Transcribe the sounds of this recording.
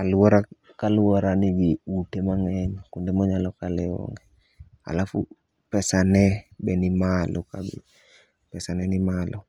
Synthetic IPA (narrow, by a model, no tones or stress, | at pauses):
kalɔɾakaluɔɾaniɡiutemaŋɛɲkundɛmɔɲalɔkalɛɔ̰ŋɡɛ | a̰lafṵ | pɛsanɛbɛnimalɔkabḭ | pɛsanɛnimalʔɔ